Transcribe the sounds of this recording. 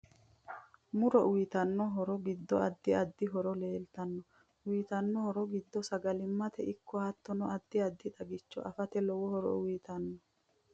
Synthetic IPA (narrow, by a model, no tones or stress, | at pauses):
mʊɾɔʔʊjɪt̪ɐnːɔɦɔɾɔɡɪd̪ːɔɐd̪ːɪɐd̪ːɪɦɔɾɔle̞ːlt̪ɐnːɔ | ijːt̪ɐnːɔhɔɾɔɡɪd̪ːɔsɐɡɐlɪmːɐt̪ɛʔɪkːɔɐt̪ːɔnɔʔɐd̪ːɪɐd̪ːɪᶑ̪ɐɡɪt͡ʃːɔ̰ʔɐfɐt̪ɛlɔwɔhɔɾɔ̰ʊjt̪ɐnːɔ